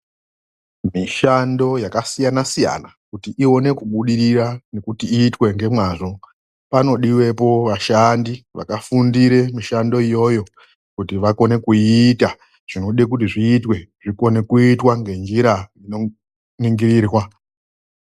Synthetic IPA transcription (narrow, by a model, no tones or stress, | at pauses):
miʃando̞jakasijanasija̰nakutiʔio̞ne̞kuɓuɗiɾirane̞kutiiːtwe̞ŋɡe̞mwaːʐo̞ | pano̞ɗiwe̞po̞ʋaʃandiʋa̰kafundiɾe̞miʃando̞ijo̞jo̞ | kutiʋako̞ne̞kuita | ʐ̥ino̞ɗek̬ut̬iʐiːtwe̞ʐ̥iko̞ne̞kuitwaŋɡe̞nd͡ʒiɾaino | niŋɡiriːrwa